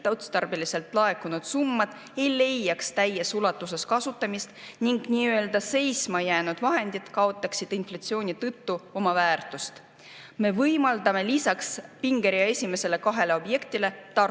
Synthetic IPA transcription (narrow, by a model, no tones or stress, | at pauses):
t̪ɑwt̪st̪ɑrbilise̞lt̪ˑlɑe̞kːunud̪̥sumːɑd̪̥ | e̞jle̞jːɑkst̪æjesulɑt̪ːˑus̬e̞skɑsut̪ːˑɑmist̪niŋɡniːø̞ld̪ɑse̞jsmɑjæːnud̪̥vɑɦe̞nd̪id̪̥kɑo̞t̪ˑːɑksid̪̥inflɑt̪sio̞ːnʲit̪ɤt̪ːuo̞mɑvæːrt̪ˑust̪ | me̞vɤjmɑld̪ɑme̞lisɑkspiŋɡ̥e̞ɾijɑe̞sʲime̞se̞le̞kɑɦe̞le̞o̞bje̞kt̪ile̞t̪ɑr